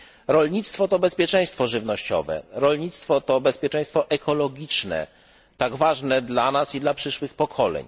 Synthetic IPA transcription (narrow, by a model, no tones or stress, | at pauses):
ɾɔlɲit̪st̪fɔt̪ɔbɛspʲjɛt͡ʂɛ̃j̃st̪fɔʐɘvnɔɕt͡ɕɔ̰vɛ̰ɾɔlɲit̪st̪fɔt̪ɔbɛspʲjɛt͡ʂɛ̃j̃st̪fɔʔɛkʰɔlɔɡʲit͡ʂnɛ̰ | t̪aɡvaʐnɛd̪lanasid̪lapʂɘʂwɘxpɔkʰɔlɛ̰ɲ